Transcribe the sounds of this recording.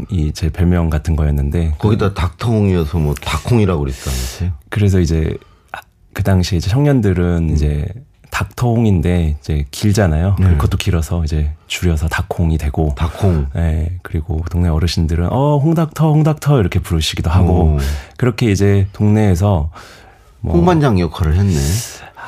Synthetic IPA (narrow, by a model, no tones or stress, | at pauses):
it͡ɕepeɭmjʌŋɡatʰɯnɡʌjʌnːɯnde̞kʌɡidatak̚tʰʌɦoŋiʌsʰʌmwʌtakʰoŋiɾaɡoɾet̚t͈anikɯɾe̞s̬ʰʌid͡ʑe̞ | kɯdaŋɕʰiid͡ʑe̞ɕʰʌŋɲʌndɯɾɯnid͡ʑe̞ | tak̚tʰʌhoŋinde̞id͡ʑe̞kiɭd͡ʑanajokɯɾkʰʌt͈okiɾʌsʰʌid͡ʑe̞t͡ɕuɾjʌsʰʌtakʰoŋidwe̞ɡ̥otakʰoŋje̞kɯɾiɡotoŋne̞ʌɾɯɕʰindɯɾɯnʔʌɸoŋdak̚tʰʌhoŋdak̚tʰʌiɾʌkʰe̞puɾɯɕʰiɡidoɦaɡokɯɾʌkʰe̞id͡ʑe̞toŋne̞ːs̬ʰʌ | mʌoŋband͡ʑaŋjʌkʰaɾɯɭɦenːe